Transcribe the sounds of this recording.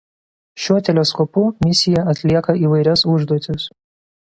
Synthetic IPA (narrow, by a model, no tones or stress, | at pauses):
ʃʲuɔt̪ʲɛlʲɛskɔpʊmʲɪsʲɪjɛɐt̪ʲlʲiɛkɐiːʋɐɪɾʲɛsʊʒd̪uɔt̪ʲɪs